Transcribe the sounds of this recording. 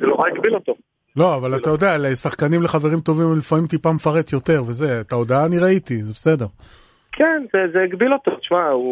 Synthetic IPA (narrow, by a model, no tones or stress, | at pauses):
zeloʁaiɡbilo̞t̪o | lo̞avalat̪ajo̞d̪ealesaχkanimle̞χave̞ʁimt̪o̞vimlifaimt̪ipamefaʁe̞t̪jo̞t̪e̞ʁve̞ze̞et̪ao̞d̪aaːniʁait̪izebese̞de̞ʁ | kʰenzezeːɡbilo̞t̪otʃmau